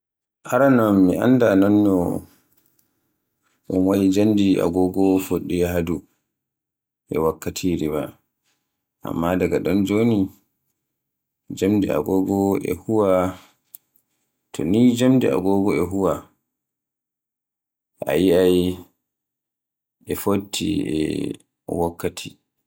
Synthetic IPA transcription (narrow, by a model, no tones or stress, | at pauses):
ʔaɾanamːiʔa̰nːdananːɔ | ʔunwajid͡ʒandiʔa̰ɡɔɡɔfoɗːijaɦadu | ʔɛ̰wakːatʰiɾiba | ʔa̰mːadaɡaɗɔnd͡ʒoni | d͡ʒamdia̰ɡɔɡɔɛ̰huwa | tʰɔ̰nid͡ʒamdia̰ɡɔɡɔɛɦuwa | ʔa̰jiaj | ɛfotʰːḭɛ̰ | wakːatʰi